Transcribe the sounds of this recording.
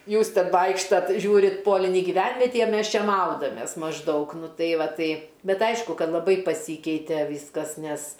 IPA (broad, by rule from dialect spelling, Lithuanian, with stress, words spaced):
ˈjuːs ˈtʲɛn ˈʋɐɪkʃtɐt ˈʒʲuːrʲɪt ˈpoːlʲɪnʲiː ɡʲɪˈʋʲɛnʲʋʲɛtʲiː ɐ ˈmʲɛs ˈt͡ʃʲɛ ˈmɐʊdɐmʲeːs mɐʒˈdɐʊk ˈnʊ ˈtɐɪ ˈʋɐ ˈtɐɪ ˈbʲɛt ˈɐɪʃkʊ ˈkɐt lˠɐˈbɐɪ pɐˈsʲiːkʲɛɪtʲɛ ˈʋʲiːskɐs nʲɛs